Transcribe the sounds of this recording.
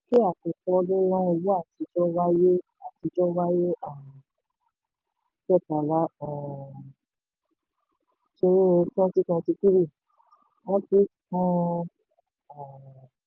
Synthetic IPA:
ki˦a˦˨kɔ̃˨kɔ̃˧lĩ˦nã˦ɛ˧wu˦a˦˨ti˨˧˦d͡ʒɔ˦wa˦je˦ | a˨ti˧˦d͡ʒɔ˦wa˦je˦ã˦˨ | kɛ˦˨ta˨la˦ã˨ | ʃi˧nĩ˦˧tɔ̃˦ti˦kã˧ti˧ki˦ɾi˦˨ | wɔ̃˦ti˨˦kɔ̃˦ | ã˨

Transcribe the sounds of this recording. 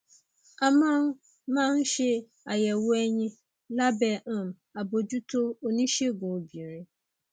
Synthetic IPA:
a˨mã˦m | mã˦n˦ɕɪ˦ | a˨jɛ˨wɛ˦ɲĩ˦ | la˦bɛ̃˨m | a˨bo˨d͡ʑu˦tʰo˦o˨nĩ˦ɕɛ˦ɡʊ̃˨bi˨ɾɪ̃˦

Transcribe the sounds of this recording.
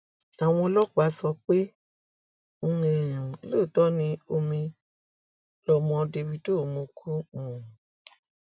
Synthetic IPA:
a˨w̃ɔ̃˧lɔ˦k͡pa˨˦sɔ˧k͡pe˦ | e˧˨j̃ũ˨lo˦˨tɔ˦nĩ˧˦o˧mĩ˧ | lɔ˧˨mɔ̃˧de˧wi˧do˦˨mõ˧kʰu˦ũ˨

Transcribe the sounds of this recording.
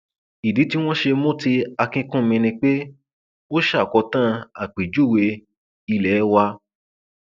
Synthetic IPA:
i˨di˨˦ti˦w̃ɔ̃˦ʃe˧mõ˦ti˧a˧kĩ˧kũ˦˨mĩ˧nĩ˧k͡pe˦ | o˦ʃa˦˨kɔ˨˧tã˦a˨k͡pi˨d͡ʒu˦˨we˧ | i˧lɛ˨˦wa˧

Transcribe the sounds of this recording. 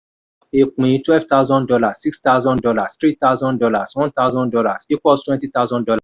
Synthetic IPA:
e˨k͡pũ˨jĩ˨˦twɛ˦vta˦ʊzɔ̃˦ndɔ˧la˨ssi˦ksta˦wzɔ̃˦ndɔ˧la˨stɾi˦ta˦wzɔ̃˦ndɔ˧la˨swɔ̃˦nta˦wzɔ̃˦ndɔ˧la˨si˦kɔ˦twɛ̃˦nti˦ta˦zɔ̃˦ndɔ˧la˨

